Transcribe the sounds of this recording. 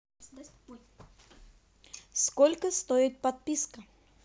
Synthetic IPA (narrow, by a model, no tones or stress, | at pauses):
skolʲkəst̪oɪt̪̚pɐt̪̚pʲiskə